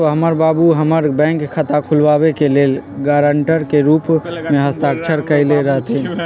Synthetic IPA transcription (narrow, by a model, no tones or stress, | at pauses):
ɦəməɾbabuɦəməɾbɛ̃ːŋkʰːət̪akʰulʋabekeleːlɡaɾəɳʈəɾkeɾupmẽɦəst̪akt͡ʃʰəɾkəleɾəɦət̪ɦɛ̃